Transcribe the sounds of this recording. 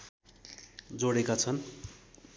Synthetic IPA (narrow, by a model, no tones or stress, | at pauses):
d͡zoɽekat͡sʰʌn